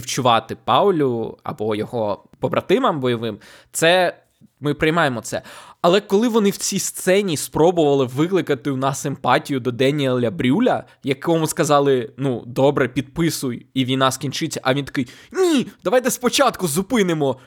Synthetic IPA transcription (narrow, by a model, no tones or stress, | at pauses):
wt͡ʃʊʋɑt̪ɪpɑwlʲʊɐ̰bɔjɔɦɔ | pɔbɾʔɐt̪ɪmɐmbɔjɔʋɪm | t̪sɛ | mɪpɾɪjmɑjemɔt̪sɛ̰ɐlˠɛkɔlˠɪʋɔnɪwt͡sʲist̪sɛnʲispɾɔbʊʋɐlˠɪʋɪklˠɪkɐt̪ɪwnɑsɪmpɑtʲijʊd̪ɔd̪ɛnʲilʲɐbɾʲulʲɐ | jɐkɔmʊskɐzɑlˠɪnud̪ɔbɾɛpʲid̪̚pɪsʊjiʋʲijnɑskʲinʲt͡ʃɪt͡sʲːɐʔɐʋʲint̪ɐ̥kɪjnʲid̪ɐʋɑjt̪ɛspɔt͡ʃɑt̪kʊzʊpɪnɪmɔ